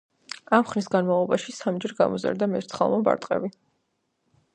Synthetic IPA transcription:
amχnisɡanmavlˠɔbaʃisamd͡ʒɛɾɡa̰mɔza̰ɾd̪amɛɾt̪sχa̰lˠmɔba̰ɾt̪ʼqʼɛ̰bi

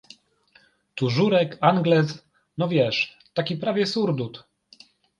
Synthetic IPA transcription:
t̪uʐuɾɛkaŋɡlɛs | nɔvʲjɛʂ | t̪akʲipɾavʲjɛsuɾd̪ut̪

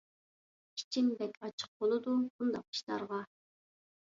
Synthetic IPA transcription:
kʲʰi̥t͡ʃʰinb̪ɛkʲʰɑt͡ʃʰə̥q̚bolˠɨd̪ubund̪ɑq̚i̥ʃt̪ɑ̰ɾʁɑ

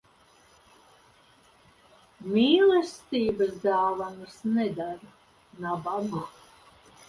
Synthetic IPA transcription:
miːlˠɛst̪iːbazd̪aːvanasnɛd̪aɾ | nababa

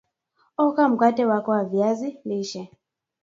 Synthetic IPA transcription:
ɔkam̩katɛwakɔwavjaziniʃɛ

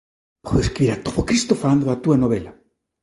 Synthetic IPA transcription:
poeskiɾat̪oβokɾist̪ofaland̪oat̪uanoβela

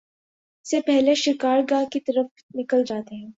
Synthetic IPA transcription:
sepɛɦleʃɪkaːɾɡaːkit̪ɐɾəf | nɪkəld͡ʒaːt̪eɦɛ̃ː

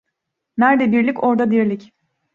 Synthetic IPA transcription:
næɾd̪ɛbiɾlʲico̞ɾd̪ad̪iɾlʲic

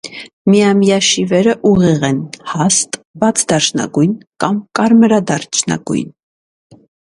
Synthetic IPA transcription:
mijɑmijɑʃivɛɾəʔuʁiʁɛnhɑst̪bɑt͡sʰd̪ɑʃnɑ̰ɡujnkɑmkɑɾməɾɑd̪ɑɾt͡ʃʰnɑ̰ɡṵjn

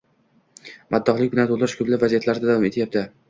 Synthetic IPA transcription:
mad̪ːɒχlɪk̚ʲbɪnat̪ʰolˠd̪ɾɪʃkʲʰʊblɪpvazijat̪laɾd̪ad̪avɒme̞t̪ʰɪjap̚t̪ʰa

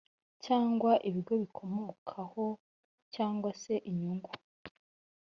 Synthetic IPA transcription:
caːŋɡwaʔiβiɾɡo̞βikʰo̞moːkʰaho̞ | caːŋɡwase̞ʔiɲuŋɡu

